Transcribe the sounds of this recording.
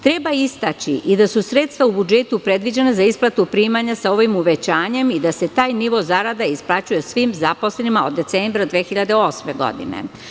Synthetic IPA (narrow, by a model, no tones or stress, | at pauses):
t̪ɾebaist̪at͡ɕiʔid̪asusɾe̞ːt̪st̪ʋaubud͡ʒe̞t̪upɾe̞d̪ʋid͡ʑenazaisplˠat̪upɾiːmaɲasao̞ʋimuʋe̞t͡ɕaːɲe̞mid̪ase̞t̪aːjniʋo̞zaɾad̪aisplˠat͡ɕuje̞sʋiːmzapo̞sle̞nimaod̪ːe̞t̪seːmbɾad̪ʋexiʎad̪eo̞sme̞ɡo̞̰d̪ḭnḛ